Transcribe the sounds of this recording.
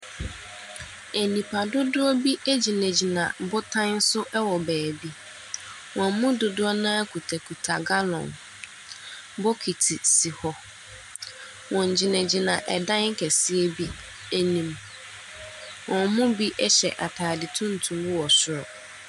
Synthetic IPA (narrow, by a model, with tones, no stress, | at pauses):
e˨nĩ˨pʰa˨dʊ˦dʊ˦ɔ˦bi˦ʔæ˦d͡ʑi˨nɛ̃˨d͡ʑi˨nã̰˨bʊ˦tʰã˦n̩˦sʊ˦ʔɛ˦wɔ˨bæː˨bi˦ | wɔ̃˨mʊ̃˦dʊ˨dʊ˦ɔ˦nãː˦kʰu˨tʰa˨kʰu˨tʰa˨ɡa˦lɔ̰̃˨n | bɔ˦kʰi˨tʰi˨si˨hɔ˦ | wɔ̃˨ɲ̩˨d͡ʑi˨nɛ̃˨d͡ʑi˨nã˨ʔɛ̰˨dã˦ŋ̩˦kʰɛ˨sɪ˦e˦bi˦ | e˦nĩ˦m | wɔ̃˨mʊ̃˦bi˦ʔɛ˦ɕɛ̰˨ʔa˨tʰaː˨dɪ˨tʰʊ̃˦n̩˨tʰũ˨m˦wɔ˨sʊ˨ɾɔ̰˨